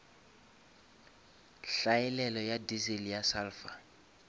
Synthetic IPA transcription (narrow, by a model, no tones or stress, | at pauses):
ɬaɛlɛlɔjadizelijasaːlfa